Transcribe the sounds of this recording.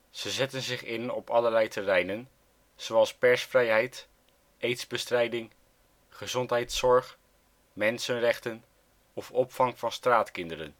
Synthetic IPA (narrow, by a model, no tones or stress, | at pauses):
z̥əzɛtənzɪχɪnɔpɑləɹlɛjtərɛjnən | z̥owɑlˠspɛɹsfrɛjɦɛjt | ejtzbəstrɛjdɪŋ | χəzɔntɦɛjtsɔɹχ | mɛnsənrɛχtən | ɔfɔpfɑŋvɑnstraːtkɪndəɾə̰n